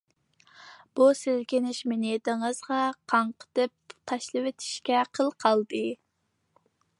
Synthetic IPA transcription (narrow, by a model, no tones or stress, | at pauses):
b̥usɪlkʲɪnɪʃmɪned̪ɪŋəzʁɑqʰɑɴqʰə̥t̪ɨp̚t̪ʰɑʃlˠɨwet̪ʰɪ̥ʃkʲɛqʰəlˠqʰɑlˠd̪ɨ